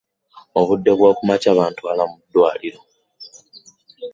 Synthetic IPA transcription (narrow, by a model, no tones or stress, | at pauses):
o̞βudːe̞βwaːkumacaːβaːntualamudːwaːliɾo̞